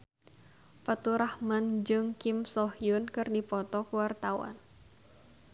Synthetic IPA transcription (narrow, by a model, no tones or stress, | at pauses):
pət̪uɾahmand͡ʒɨŋkimsɔhjʊnkɨrdipɔt̪ɔkuwart̪awa̰n